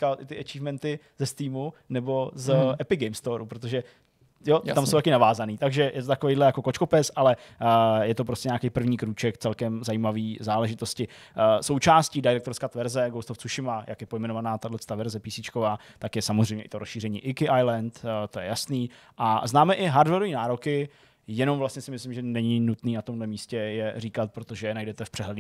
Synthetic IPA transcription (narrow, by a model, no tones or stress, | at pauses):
kalʔɪt̪ɪʔat͡ʃivmɛnt̪ɪ | zɛst̪iːmunɛbo̞zɛpɪɡɛjmst̪oɾupɾot̪̬oʒɛ | joamsowt̪akɪnavaːzaniːt̪aɡʒɛjʔɛt̪ot̪akovejdlɛjako̞kot͡ʃkopɪsʔalɛjɛt̪o̞p̬ɾoscɛɲaːkejpr̩vɲiːkɾuːt͡ʃɛkt͡sɛlkɛmzajiːmaviːzaːlɛʒɪt̪o̞scɪso̞wt͡ʃaːscidɛɾɛk̚t̪oɾskaːt̪vɛɾzɛɡowst̪oft͡suʃɪmaja̰kjɛpo̞jmɛnovanaːt̪adlɛt͡st̪aːvɛɾzɛpiːsɪt͡ʃkovaːt̪akjɛsamozrɛjmɲɛʔɪt̪oɾosʃiːrɛɲḭːʔɪkɪʔajlɛnt̪t̪ojɛ̰jasniː | ʔaznaːmɛʔɪɦaɾdvɛɾoviːnaːɾokɪ | jɛno̞mvlast̪ɲɛsɪmɪslɪmʒɛnɛɲɪnut̪niːnat̪o̞mdlɛmiːscɛjɛriːkat̪̚pɾot̪o̞ʒɛnajdɛt̪ɛfpr̝̥ɛɦlɛd